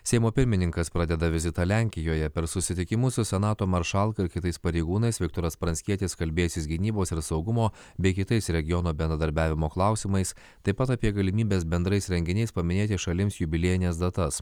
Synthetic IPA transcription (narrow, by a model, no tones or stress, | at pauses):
sʲɛɪmoːpʲɪɾʲmʲɪnʲɪŋkɐspɾɑːd̪ʲɛd̪ɐʋʲɪzʲɪt̪ɑːlʲæˑŋʲkʲɪjoːjɛpʲɛɾsʊsʲɪt̪ʲɪkʲɪmʊsʊsʲɛnɑːt̪oːmɐɾʃɑlˠkɐɪɾkʲɪt̪ɐɪspɐɾʲɛɪɡuːnɐɪsʋʲɪkt̪oːɾɐspɾɐnʲsʲkʲiɛt̪ʲɪskɐlʲbʲeːjʊsʲɪsɡʲɪnʲiːboːsɪɾsɒʊɡʊmoː | bʲɛɪkʲɪt̪ɐɪsɾʲɛɡʲɪjɔnoːbʲɛnd̪ɾɐd̪ɐɾʲbʲæːʋʲɪmoːklˠɑˑʊsʲɪmɐɪs | t̪ɐɪpɐt̪ɐpʲiːɛɡɐlʲɪmʲiːbʲeːsbʲɛnd̪ɾɐɪsɾʲɛŋʲɡʲɪnʲɛɪspɐmʲɪnʲeːt̪ʲɪʃɐlʲɪmsjʊbʲɪlʲeːjɪnʲesd̪ɐt̪ɐs